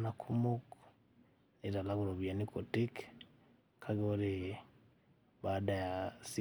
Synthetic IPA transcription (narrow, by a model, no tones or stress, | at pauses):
nakʰumok | niɾalaɣuɾoβjanikʰotik | kʰaɣoɾe | βadajasi